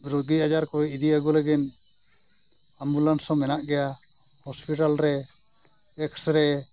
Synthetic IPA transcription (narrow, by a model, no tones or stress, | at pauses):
bɾoɡiad͡ʒaɾkɔɛid̪iaɡɔləɡin | ambulansɔmɛnaʔɡɛja | hɔspiʈalɾɛ | ɛksɾɛ